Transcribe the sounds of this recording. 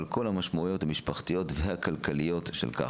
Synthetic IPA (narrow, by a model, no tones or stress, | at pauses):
lko̞lhamaʃmaujo̞thamiʃpaχtijo̞tvehakalkalijo̞tʃḛlka̰